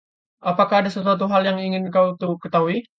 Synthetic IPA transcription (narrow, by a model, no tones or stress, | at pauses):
ʔapakaɦːdasat̪uat̪̬uɦaljaŋiŋɪnkaut̪ukət̪aɦui